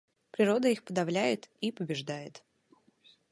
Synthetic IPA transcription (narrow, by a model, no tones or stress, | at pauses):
pɾʲɪɾo̞d̪əixpəd̪ɐvlʲæjɪt̪ipəbʲɪʐd̪ajɪt̪